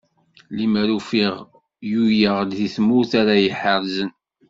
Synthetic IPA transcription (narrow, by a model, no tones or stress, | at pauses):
limæɾufiʁ | jujəʁd̪ðiθmuθaɾajəħəɾzən